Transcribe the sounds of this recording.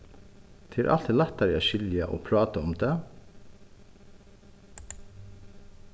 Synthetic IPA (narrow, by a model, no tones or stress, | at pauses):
t̪ʰɪːʔɑ̰lt̪ʰɪlɑt̪æɾjæʃʏljaʔo̰ːpʰɾɑːt̪aʊmd̪eː